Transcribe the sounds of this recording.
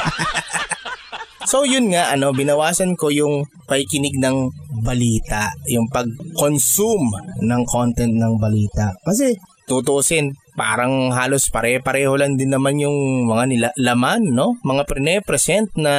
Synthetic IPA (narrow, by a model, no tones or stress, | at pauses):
so̞wjʊnŋaʔɐno̞bɪnɐwaːsɐnko̞jʊŋ | pɐhɪkɪnɪɡ̚nɐŋbɐliːt̪ɐʔjʊŋpɐɡ̚konsumnɐŋkʰo̞nt̪ɛnt̪̚nɐŋbɐliːt̪ɐʔkɐsɛ | t̪ʊt̪oʔosɪn | pa̰ːɾɐŋɦaːlo̞spɐɾɛːpɐɾɛːholand̪ɪnːɐmanjʊŋmɐŋanɪlalɐmanːo̞mɐŋapɾɪnɛpɾɛsɛnt̪̚nɐ